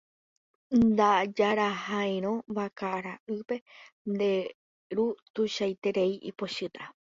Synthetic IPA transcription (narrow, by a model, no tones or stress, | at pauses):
nd̪ad͡ʒaɾahãj̃ɾ̃õ̞βakaɾaʔɨpe̞ | nd̪e̞ | ɾut̪uʃajt̪e̞ɾe̞iʔḭpo̞ʃɨt̪ʰa